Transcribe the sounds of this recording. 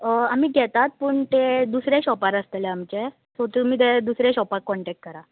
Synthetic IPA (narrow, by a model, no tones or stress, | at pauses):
amiːɡʱɛt̪at̪̚pəːɳt̪ed̪usɾeɕɔpaɾəst̪eleamt͡ɕe | sot̪imiːt̪ed̪usɾeɕɔpakkːɔɳʈɛk̚ʈ̚kəɾa